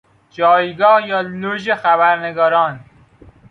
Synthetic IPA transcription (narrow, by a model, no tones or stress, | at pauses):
d͡ʒɒːjɡɒːhjɒːloʒexæβæɾneɡɒːɾɒːn